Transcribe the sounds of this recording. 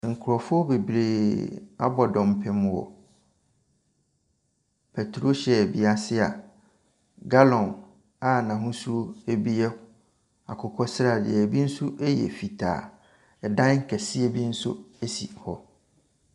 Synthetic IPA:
ŋ̩˨kʰʊ˨ɾɔ˨fʊ˦ɔ˦be˨bɾeː˨a̰˦bɔ˨dɔ̃˨m˨pʰɛ̃˦m̃˦wɔ̰˨ | pʰɛ˨tʰɾo˦ɕɛ˨bi˦a˨sɪ˦a̰˨ | ɡa˦lɔ̃˨n | a˨nã˨ɦʊ̃˦su˦ɾo˦e˦bi˦ɛ˦ | a˨kʰʊ˨kʰɔ˦sɾa˨dɪ̰˨ɛ˨bi˦n̩˦sʊ˦ʔɛ˦jɛ̰˨fi˨tʰa̰ː˨ | ɛ˨dã˦n˦ŋ̩˦kʰɛ˨si˦e˦bi˦n̩˦sʊ̰˦æ˦si˨hɔ˦

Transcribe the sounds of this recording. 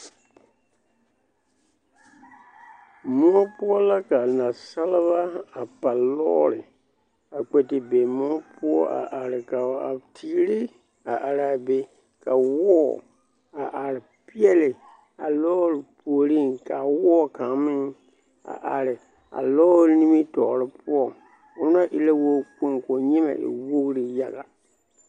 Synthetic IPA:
mũ˦ɔ˦pu˦ɔ˦la˦ka˨nã˨sa˦la˦ba˦a˨pa˨lɔː˦ɾɪ˨ | a˨k͡pe˨tɪ˨be˨mũ˦ɔ˦pu˦ɔ˦a̰˨ʔa˨ɾɪ˨ka˨a̰˨tʰi˦ɾi˦ | a˨ʔa˨ɾa˨be˨ | ka˨wɔː˦ | a˨ʔa˨ɾɪ˨ | pi˦ɛ˦lɪ˨ | a˨lɔː˦ɾɪ˨pʰu˨o˨ɾi˦˨ŋka˨wɔː˦ka˨mɪ˦ | a̰˨ʔa˨ɾɪ˨ | a̰˨lɔː˦ɾni˦mi˦tɔ˨ɾɪ˦pʊ˦ɔ˨ | ʊ˦na˦ʔɪ˦le˦wo˦k͡po˦ŋko˨ɲɛ˦ma̰˨ʔɪ̰˨wo˦ɣɾi˨ja˦ɣa˨

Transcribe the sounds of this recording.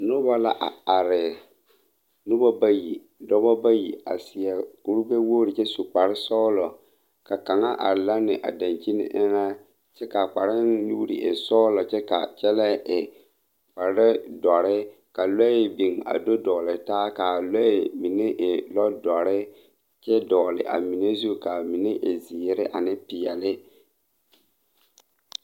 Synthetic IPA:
no˦ba˦la̰˦ʔa˨a˨ɾɪ˨ | no˦bɔ˦ba˦ji˨ | dɔ˦bɔ˦ba˦ji˨a̰˨sɪ˨ɛ˨ku˦ɾu˦be˦woː˦ɾi˨t͡ʃɛ˦su˨k͡pa˨ɾɪ˦sɔː˦lɔ˨ | ka˨ka˨ŋa˦ʔa̰˨ɾla˦nɪ˨ʔa̰˨da˨nt͡ʃi˦nɪ̰˦ʔɪ˦na˦ | t͡ʃɛ˦ka˨k͡pa˨ɾɪ˦nu˦ɾḭ˨ʔḛ˨sɔː˦lɔ˨t͡ʃɛ˦ka̰˨t͡ʃɛ˦lɛ˦ɪ˨ | k͡pa˨ɾɛ˦dɔ˨ɾɪ˦ | ka˨lɛ˦ɪ˨bi˨ŋa̰˨do˦dɔː˨lɪ˨taː˦ka˨lɔ˦ɪ˨mi˨ne˦ʔɪ˨lɔ˦dɔ˨ɾɪ˦ | t͡ʃɛ˦dɔː˨lɪ̰˨ʔa̰˨mi˨ne˦zu˦ka˨mi˨ne˦ʔɪ˨zɪː˨ɾɪ˦ʔa˨nɪ˦pɪ˨ɛ˨lɪ˦

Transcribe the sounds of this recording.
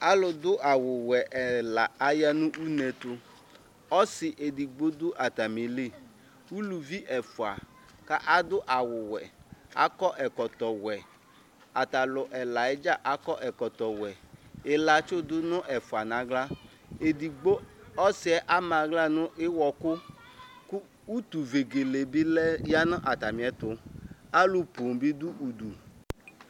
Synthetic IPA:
a˦lʊ˨dʊ˦ʔa˨wʊ˨wɛ˨ʔɛ˨la˨a˨ja˦nʊ̃˦ʔu˦nɛ˨tʊ˦ | ɔ˦sɪ˨ʔe˨di˨ɡ͡bo˦dʊ˦ʔa˨ta˨me˨le˦˨ | u˦lu˨vi˦ʔɛ˨fʊ˨a˨ | ka˦ʔa˦dʊ˦ʔa˨wʊ˨wɛ˨a̰˦kɔ˦ʔɛ˨kɔ˨tɔ˨wɛ˨ | a˨ta˨lʊ˨ʔɛ˨la˨ɪ˦d͡ʒa˦ʔa˨˦kɔ˦ʔɛ˨kɔ˨tɔ˨wɛ˨ɪ˨la˨t͡ʃʊ˦dʊ˦nʊ̃˦ʔɛ˨fʊ˨a˨nã˨˦ɡla˦ | e˨di˨ɡ͡bo˦ɔ˦sɪ˦ɛ˦ʔa˦mã˨˦ɡla˦nʊ˦ʔɪ˦wɔ˨kʊ˦ | kʊ˦ | u˦t̪u˨ve˨ɡe˨le˨bi˦lɛ˦ja˦nʊ̃˦ʔa˨ta˨mĩ˨ɛ˨t̪ʊ˨a˦lu˨po˨m˨bi˦dʊ˦ʔu˨du˨

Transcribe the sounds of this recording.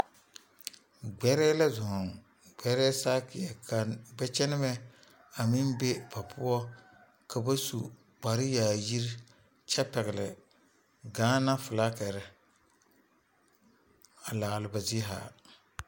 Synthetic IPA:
ɡ͡bɛ˦ɾɛː˦la˦zʊ˨hʊ˨ŋ | ɡ͡bɛ˨ɾɛ˦saː˦kɪ˨ɛ˨kʰa˨ɡ͡bɛ˦t͡ʃɛ˦nɪ˦mɛ˦ | a˨mɪ˦nbɛ˦pa˨pʰʊ˦ɔ˦ | ka˨ba˦sṵ˨ | ɡ͡ba˨ɾɪ˦jaː˨ji˦ɾ | t͡ʃɛ˦pɛ˨ɣɪ˨lɪ˨ | ɡaː˨˦na˦fʊ˨laː˦kɛ˨ɾɛ˨ | a˨laː˨lɪ˨ba˨zi˦ɦa̰ː˨

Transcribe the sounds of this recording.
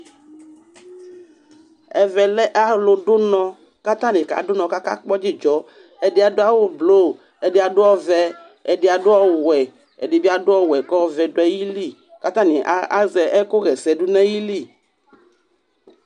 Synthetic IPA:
ɛ˨vɛ˨lɛ˦ʔa˦lʊ˨ɖʊ˦nɔ̃˨ | ka˦t̪ã˦nɪ̃˨ka̰˨˦dʊ˦nɔ̃˨ka˦ka̰˦k͡pɔ˦d͡ʒi˦d͡ʒɔ˨˦ | ɛ˨dɪ˦a˨dʊ˦a˦˨wʊ˦blo˦˨ | ɛ˨dɪ˨˦a˨dʊ˦ɔ˦vɛ˨ | ɛ˨dɪ˨˦a˨dʊ˦ɔ˦wɛ˨ | ɛ̰˨dɪ˨bi˦a˦dʊ˦ɔ˦wɛ˨kɔ˦vɛ˨dʊ˦ɛ˦ji˦li˦˨ | ka˦t̪ã˦ni˨ʔa˦a˦zɛ˨ʔɛ˦kʊ˦ɣɛ˨sɛ˨dʊ˦nɛ̃˦ji˦li˦˨

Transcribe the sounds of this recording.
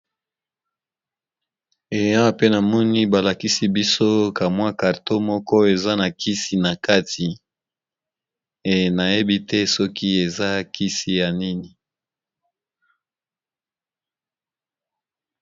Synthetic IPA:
e˨ja˦pe˦na˨mɔ˦ni˦ba˨la˨ki˦si˦bi˦so˦ka˨mwa˦ka˨ʁto˦mɔ˦kɔ˦e˨za˦na˨kʰi˦si˨na˨ka˦tʰi˨ | e˨na˨je˦bi˦tɛ˦sɔ˦ki˦e˨za˦kʰi˦si˦ja˨ni˦ni˨

